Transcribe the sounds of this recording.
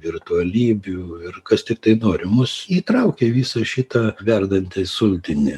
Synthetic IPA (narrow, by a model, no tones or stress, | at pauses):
ʋʲɪrt̪ʊɐlʲiːbʲʊɪrkɐst̪ʲɪk̚t̪ɐɪnoːɾʲɪmʊsiːt̪ɾɐʊkʲeʋʲiːsɐʃʲɪt̪ɐʋʲɛrd̪ɐnʲt̪ʲɛsʊlʲt̪ʲɪnʲɪ